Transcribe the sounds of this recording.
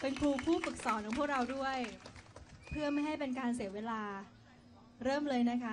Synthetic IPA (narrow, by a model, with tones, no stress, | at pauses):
pe˧nkʰɾuː˧pʰuː˥˩pɯ˨˩k̚sɔː˩˦nkʰɔ˨˩˦ŋpʰkɾa˧wdu˥˩əj | pʰɯ˥˩ɐma˥˩jɦa˥˩jpe˧nkaː˧ns̬i˩˦əweː˧laː˧ | ɾɤː˥˩mlɤː˧jna˦˥kʰa˦˥